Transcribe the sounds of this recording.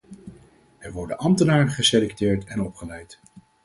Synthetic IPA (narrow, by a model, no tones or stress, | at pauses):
ɛɹʋɔɹdə̰nʔɑmtənaːɹəχəselɛktɪːɹtɛnɔpχəlɛjt